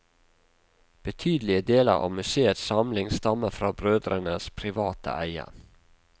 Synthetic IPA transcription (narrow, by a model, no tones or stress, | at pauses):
b̥ət̪ʰyːd̪lɪəd̪eːlə̰ʁɑ̰ːmʉseːət̪sɑmlɪŋst̪ɑməfɾɑːbɾøːd̪ɾənəspʰɾɪʋɑːt̪ə̰ʔæɪə̰